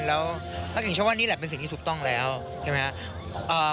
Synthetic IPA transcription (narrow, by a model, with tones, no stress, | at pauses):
lɛː˦˥wt̪ʰa˥˩i˨˩ŋt͡ɕwaː˥˧˨iː˥˩lɛː˨˩pe˧nsi˨˩ŋt̪ʰiː˥˩t̪ʰu˨˩k̚t̪ɔ˥˩ŋlɛː˦˥w | t͡ɕʰa˥˩ma˦˥kʰa˦˥ | ʔəː˨˩